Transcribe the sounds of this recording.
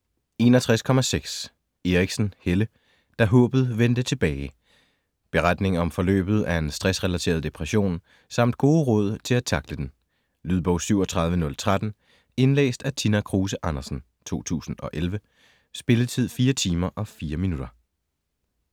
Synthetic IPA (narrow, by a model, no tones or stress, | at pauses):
e̝nɒt͡sʰʁaskʰɒ̽mæseɡ̥s | e̝ʁiɡ̥sn̩helə | d̥ɑ̈ɦɔ̽ːb̥ð̩ˠʋend̥ət͡sʰe̝b̥ɛːɪ | b̥e̝ʁad̥ne̝ŋɒ̽mfɒ̽lø̰ːb̥ð̞̩ˠæɐe̝nsd̥ʁɛsʁɛlæt͡sʰe̝̰ɐð̞ˠd̥e̝pʰʁɛɕo̝̰ːn | sɑ̈m̰d̥̚ɡ̥o̝ːðəʁɔ̽ð̞̰ˠt͡sʰe̝læt͡sʰɑ̈ɡ̥ləd̥en | lyð̞ˠb̥ɒʊ̰syʊɒt͡sʰʁɑ̈ð̞ˠʋənɔ̽lt͡sʰʁad̥n̩ | e̝nlḛːsd̥æt͡sʰinækʰʁuːsəʔɑnɐsn̩ | t͡sʰo̝̰ːt͡sʰṵːsn̩ɒ̽ʔelʋə | sb̥e̝lət͡sʰið̞̰ˠfiːɐt͡sʰiːmɐʔɒ̽fiːɐminud̥ɐ